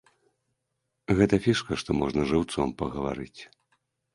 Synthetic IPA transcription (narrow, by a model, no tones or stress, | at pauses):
ɣɛt̪ɐfʲiʂkɐʂt̪ɔmɔʐnɐʐɨwt̪sɔmpɐɣɐva̰ɾɨt͡sʲ